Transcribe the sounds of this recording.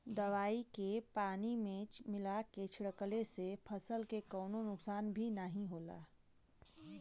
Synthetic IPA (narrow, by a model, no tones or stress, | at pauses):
d̪ɐʋaːikepaːnimẽːt͡ʃmɪlaket͡ʃʰɽəkəlesepʰəsəlkekɔːnonʊksaːnbʱinəɦĩɦoːla̰ː